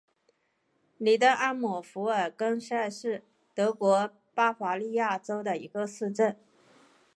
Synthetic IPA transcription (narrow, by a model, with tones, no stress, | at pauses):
li˨˩t̪ə˥ŋʔa˥nmu˨˩fu˧˥ə˞˨˩kə˥ŋʂa˥˧ɪʂɻ̩˥˩ | t̪ɤ˧˥kwɔ˧˥ | pa˥xwa˧˥li˥˧ja˥˩ʈ͡ʂo˥ʊd̪ə˨i˧˥ɡə˧sɹ̩˥˧ʈ͡ʂə˥˩n